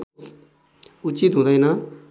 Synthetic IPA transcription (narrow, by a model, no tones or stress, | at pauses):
ʊt͡ʃit̪ɦõnd̪aːɦɛnaː